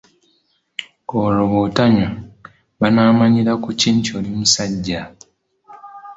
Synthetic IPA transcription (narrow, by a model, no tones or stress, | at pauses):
oɾoβotaɲa | βanaːmaɲiɾakuciːntoːlimusaɟːa